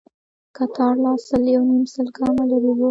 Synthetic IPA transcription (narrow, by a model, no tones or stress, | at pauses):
kat̪ʰɑɾlɑsəljawnimsəlkɑmalaɾuwo